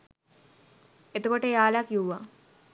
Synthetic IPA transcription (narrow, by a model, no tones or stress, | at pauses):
et̪okoʈəaːlakiuwʋa